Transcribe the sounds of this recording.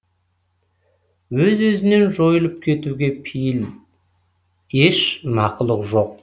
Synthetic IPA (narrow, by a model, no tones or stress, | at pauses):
wɵzwɵzɪne̞nʒo̞jəlˠəp̚kʲʰe̞t̪uɡʲe̞pʰijɪl | eʃmɑqəlˠəqʒo̞q̚